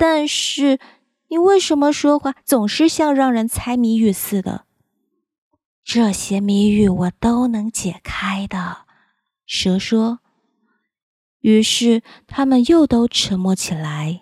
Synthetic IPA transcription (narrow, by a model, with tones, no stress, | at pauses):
t̪a˥˧nʂɻ̩˥˩ | ni˨˩we˥˩ɪʂə˧˥nmə˧ʂwɔ˥xwa˥˩t͡sʊ˨˩ŋʂɻ̩˥˧ɕjɑ˥˧ŋɻɑ˥˩ŋɻə˧˥nt͡sʰa˥ɪmi˧˥y˥˧sɹ̩˥˩d̪ə̰˩ | ʈ͡ʂɤ˥˩ɕjɛ˥mi˧˥y˥˩wɔ˨˩t̪o˥ʊnɤ˧˥ŋt͡ɕjɛ˨˩kʰa˥ɪd̪ə˨ | ʂɤ˧˥ʂwɔ˥ | y˧˥ʂɻ̩˥˩t̪ʰa˥mə˨njo˥˩ʊt̪o˥ʊʈ͡ʂʰə˧˥nmɔ˧˥t͡ɕʰi˨˩la˧˥ɪ